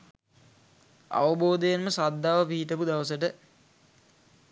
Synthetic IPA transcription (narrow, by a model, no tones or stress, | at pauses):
a̰ʋəboːd̪əjenməsad̪ːaːʋəpiɦit̪əpud̪aʋəsəʈə